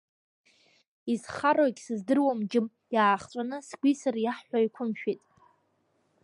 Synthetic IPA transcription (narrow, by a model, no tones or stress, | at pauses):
izχaraɡʲsɨzdɨrwamd͡ʒɪm | jaːχt͡ʃʷʼanɨsɡʷisarjaħːʷaikʷʰʊmʃᶣitʼ